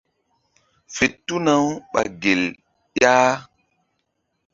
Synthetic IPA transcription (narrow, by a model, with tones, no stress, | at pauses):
fe˨tːu˦na˦wɓa̰˨ɡe˨l | jaː˦